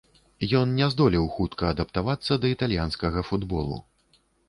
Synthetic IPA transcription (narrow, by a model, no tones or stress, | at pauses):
jɔnnʲɛzd̪ɔlʲiwxut̪kɐːd̪ɐpt̪avat̪sːɐd̪ɐit̪alʲjanskɐɣɐfud̪bɔlˠṵ